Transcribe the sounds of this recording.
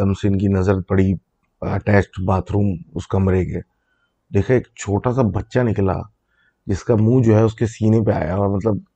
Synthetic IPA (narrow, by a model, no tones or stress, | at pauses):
ɐmseɪnkinɐzɾət̪̚pɐɽ̤i | ɐ̰ʈɛːsʈbaːt̪ʰɾuːmʊskɐmɾekeː | d̪eːkʰaeːkt͡ʃʰoːʈasabɐtːʃanɪkla̰ | d͡ʒɪskamũːd͡ʒoːɦɛʊskesiːnepea̰ːja̰ɔːɾmɐt̪ləb̚